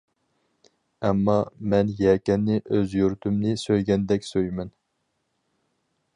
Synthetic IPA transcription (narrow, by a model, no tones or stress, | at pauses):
ɛmːɑmɛnjɛkʲɛnːɪʔøzjyɾt̪ʰymnɪsøjɡʲɛnd̪ɛkʲsøjmɛn